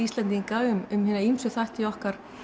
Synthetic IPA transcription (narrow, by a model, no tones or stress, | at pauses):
ist̪lɛnt̪̬ikaːɣʏmʏmhɪːnaimsʏθajht̪ɪɔhkaɾ̥